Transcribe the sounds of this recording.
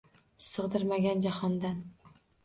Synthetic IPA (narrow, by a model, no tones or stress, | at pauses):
sɨʁd̪ɪɾmaɡʲand͡ʒahɒnd̪an